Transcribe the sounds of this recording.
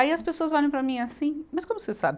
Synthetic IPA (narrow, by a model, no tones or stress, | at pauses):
aiɐspesoɐzɔʎẽw̃pɾɐmĩasĩmɐskõmʊsesa̰bɪ